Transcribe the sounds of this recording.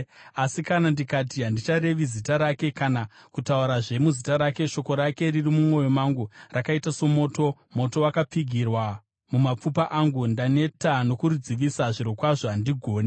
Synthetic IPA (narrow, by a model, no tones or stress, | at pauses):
asikanandikatiɦandit͡ʃaɾe̞ʋizitaɾake̞kanakutauɾaʐe̞muzitaɾake̞ʃo̞ko̞ɾake̞ririmumo̞jo̞maŋɡurakaitaso̞mo̞ːto̞ | mo̞to̞wakap͡fiɡʱirwa | mumap͡fupaʔaŋɡundane̞tano̞kuɾud͡ziʋisaʐiɾo̞kwaʐoɦandiɡʱo̞ːne